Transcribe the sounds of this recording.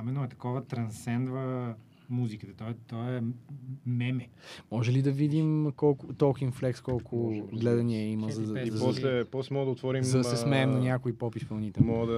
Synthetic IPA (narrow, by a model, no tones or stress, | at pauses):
imɛnoɛt̪ɐ̥kɔvət̪ɾɐnsɛnd̪vɐ | muzikət̪ɐt̪ɔɛt̪ɔɛ | mɛmɛ | mɔʒɛlid̪ɐvid̪imkɔlˠkʊt̪ɔlˠkinflɛkskɔlˠkʰʊɡlɛd̪ɐniɛiməzɐizpɔslɛpɔslɛmɔɡəd̪ɐot̪vɔɾimɐd̪ɐsɛsmɛːmnɐnʲjakoipɔpispɐlˠnit̪ɛmɔɡəd̪ɐ